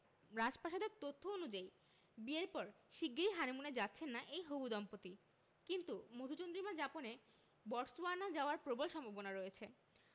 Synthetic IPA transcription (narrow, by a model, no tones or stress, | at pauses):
ɾad͡ʑpaʃad̪eɾt̪ot̪ʰːoonud͡ʑai | bieɾpɔɾʃiɡːiɾiɦanemuned͡ʑatːɕʰenːaʔejɦobud̪ɔmpot̪i | kint̪umod̪ʱut͡ɕond̪ɾimad͡ʑapone | bɔʈsbaɾnad͡ʑaoaɾpɾobolʃɔmbʱabonaɾoet͡ɕʰe